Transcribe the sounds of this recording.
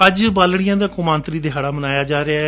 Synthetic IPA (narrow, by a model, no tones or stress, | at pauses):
əd͡ʒbaːlɽ̃ɪjãːd̪aːkʊmãːnt̪ɾiːd̪ɪɦaːɽaːmənaːjaːd͡ʒaːɾea